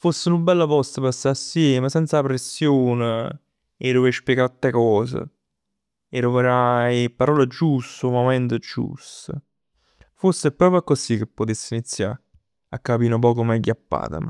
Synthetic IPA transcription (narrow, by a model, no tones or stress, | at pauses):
fosːenubɛlːapɔst̪əpasːaasːjɛːməsɛnt̪sapɾesːjoːne | eɾovespjɛɡaɾt̪ːekɔːzə̰ | ɛɾoveɾapːaɾɔːlad͡ʒust̪oumomɛnt̪əd͡ʒṵst̪ə | fosːeɛpːɾɔːpakːosikːepːot̪esːinit̪sːja̰ɾ | akːapiːnop̬ɔːkomajɡjapːa̰ːt̪a̰m